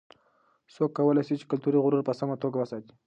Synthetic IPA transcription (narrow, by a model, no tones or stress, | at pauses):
sokːawəlajsit͡ʃe̥kalt̪uɾiɣʊɾuɾpəsamat̪oɡawəsɑt̪i̥